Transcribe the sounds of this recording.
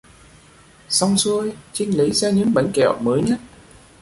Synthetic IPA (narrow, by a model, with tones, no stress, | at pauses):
sa˧wŋ͡msu˧əjt͡ɕï˧ŋ̟li˨˦zɛː˧ɲɨ̰˧˥ŋɓa˨˦jŋ̟kɛ̰˧˩˨wməː˨˦jɲə˦˥t̚